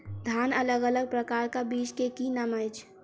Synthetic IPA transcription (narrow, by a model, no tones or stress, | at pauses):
d̪ʱaːnələɡələɡ̚pɾəkaːɾkabiːt͡ʃkekinaməjt͡ʃʰ